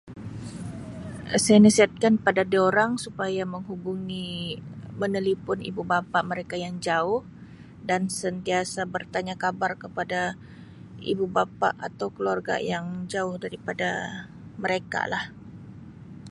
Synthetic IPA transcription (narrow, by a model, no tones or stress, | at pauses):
sajanəsiɦat̪̚kanpadadioɾaŋsupajaməŋɦubuŋi | mənəlipʊnḭbubapaʔməɾekajaŋd͡ʒaʊh | dansənt̪iasabərt̪aɲakabarkəpada | ḭbubapa̰ʔat̪awkəluarɡa̰jaŋd͡ʒaʊhdaɾipada | məɾeka̰lah